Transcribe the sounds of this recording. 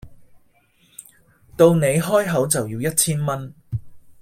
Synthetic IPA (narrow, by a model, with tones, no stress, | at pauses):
t̪o˧wne˨˧jɦɔː˥jɦɐ˨˥wt͡sɐ˨wjiː˧wjɐ˥t̚t͡sʰiː˥nmɐ˥n